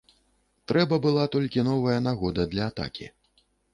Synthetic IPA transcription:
t̪ɾɛbɐbɨlˠat̪ɔlʲkʲinɔvɐjɐnaɣɔd̪ɐd̪lʲɐːt̪a̰kʲḭ

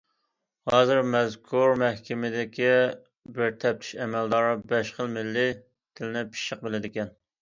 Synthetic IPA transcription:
hɑːzɨɾmɛzkʰuɾmæhkʲɪmɪd̪ɪkʲi | bɪɾt̪ʰɛp̚t̪ʰy̥ʃɛmɛld̪ɑːɾɨbɛʃχəlˠmɪlːɪ | t̪ʰɪlɪnɪpʰi̥ʃəq̚bɪlɪd̪ɪkʲɛn

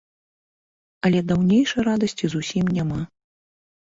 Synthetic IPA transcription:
ɐlʲɛd̪awnʲejʂɐjɾad̪ɐsʲt͡sʲizusʲimnʲama

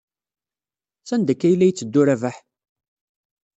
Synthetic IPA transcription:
θænd̪əkːæjlːæjət͡sːəd̪ːʊɾævæħ

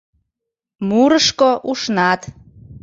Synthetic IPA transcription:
muɾəʃkoʔuʃnɑt̪

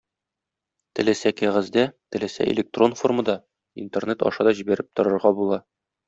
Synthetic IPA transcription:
t̪ɘ̆læsækæʁæzd̪æt̪ɘ̆læsæ̰ʔɪ̰lʲek̚t̪ro̞nfo̞rmɤ̆d̪ɑ | ḭnt̪ernet̪ɒ̰ʃɑd̪ɒʑibæɾɘp̚t̪ŏɾɤ̆ɾʁɑbulˠɑ

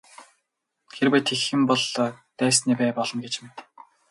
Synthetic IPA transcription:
xerwæːt̪ʰexɘ̆mpɔɮt̪æːsniːpæːpɔɮɞ̆nɡet͡ɕmet̪

